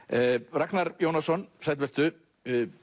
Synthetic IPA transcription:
raknaɾjownasɔnsajt̪̬vɛr̥t̪ʏ

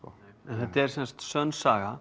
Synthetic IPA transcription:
ɔɛnθɛt̪ɛɾ̥sɛnst̪sœnsaːɣa

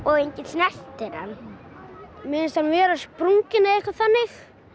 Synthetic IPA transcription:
ɔɣejɲcɪt̪snɛst̪ɪɾa̰n | mɪːnsanvɛːɾaspɾuŋcɪnaejhkvaθanːɪx

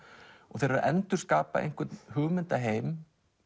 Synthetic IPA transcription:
ɔɣθejɾvaɾʔɛnt̪ʏɾ̥skaːpa̰ʔḛjŋ̥kvʏt̪nhʏɣmɪnt̪aɦeːjm

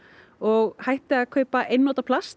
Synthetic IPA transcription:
ɔɣhajht̪ɪaðkʰœːɥpaʔejnːɔːt̪apʰlast̪

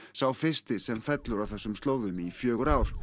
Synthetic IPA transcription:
sawfɪrst̪ɪsɛmfɛt̪lʏɾawθɛsːʏmst̪oːwðʏmifjœːɣʏɾaːwɾ̥

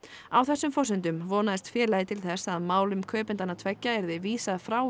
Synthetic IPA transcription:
awθɛsːʏmfɔsɪnt̪̬ʏmvɔːnaðɪst̪fɛːɾlajɪt̪ʰɪlθɛsaðmaːwlʏmkʰœːpʏnt̪anːat̪ʰvɛcːaɛɾðɪviːsafɾaːw

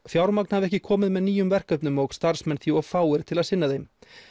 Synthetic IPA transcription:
fjawɾmak̚n̥havɪɾɛhcɪkʰɔːmɪðmɛðniːjʏmvɛr̥kœpnʏmɔɣst̪aɾ̥smɛnθjiɔfaːwɪɾ̥t̪ʰɪlaðsɪnːaðejm

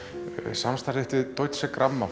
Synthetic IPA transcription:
samst̪aɾðɪht̪vɪðt̪owjt̪sɛkɾamːa

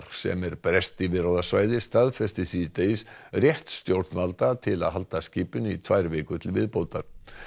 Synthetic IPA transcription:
ɾ̥sɛ̰mɛɾpɾɛst̪ivɪðɾowðasvaːjðɪst̪aðfɛst̪ɪsiːt̪eɪsrjɛht̪st̪jowɾt̪nvalt̪at̪ʰɪla̰ðɦal̪t̪asciːpʏnit̪ʰvaːjɾvɪːkʏt̪ʰɪlvɪðpowt̪aɾ̥

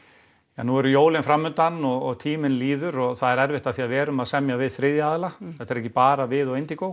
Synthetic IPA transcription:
a̰nːuɛɾʏjoːwlɪnfɾamːʏnt̪anːɔɣɔɣt̪ʰiːmɪnliːðʏɾɔɣθaðɛɾɛɾvɪht̪aðθiaðvɛːɾʏmaðsɛmjavɪðθɾɪðjaːðlaθθɛht̪ɛɾɛhcːɪpaːɾavɪðɔɣejnt̪ɪkow

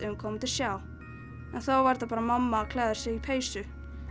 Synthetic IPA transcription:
ʏmkʰɔmt̪ʰɪlsjaːw | ɛnθowvajɾt̪apaːɾamamːakʰlɛːðʏ̥sɛipʰeːjsʏ

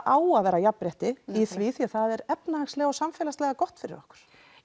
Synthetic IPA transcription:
ʔaːwaðvɛːɾajapːɾɛht̪ɪiθviθiḁθaðɛɾɛpnahaŋkslɛɣaɔsamfɛːlaslɛɣakɔht̪fɪɾɪ̰ɾɔ̰hkʏ̥ɾ̥

